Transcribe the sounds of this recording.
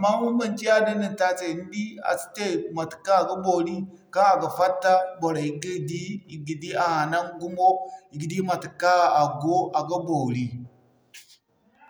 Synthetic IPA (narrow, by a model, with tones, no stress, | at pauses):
ma˦mu˦mba˨nt͡ʃi˦a˦di˦ni˨n˨ta˦se˨n˦di˦a̰˨si̥˦te˦˨ma˨ti̥˨kːa˦˨ɡa˦bo˨li˦ | ka˦a˨ɡa˨fa˦tːa˦bo˨ɾa˨i˦ɡi˦˨di˦i˨ɡi˨di˦a˨a˨na˦ŋ˦ɡu˦mo˦i˨ɡi˨di˦ma˨ti˨kːa˦˨a˨ɡo˦ʔa˨ɡa˦bo˨ɾi˦